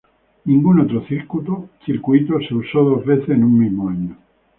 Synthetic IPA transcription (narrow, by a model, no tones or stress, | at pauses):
niŋɡunat̪ɾoθiɾkut̪ot͡ʃiɾkuit̪oseusɔd̪ozvesenummimaɲːo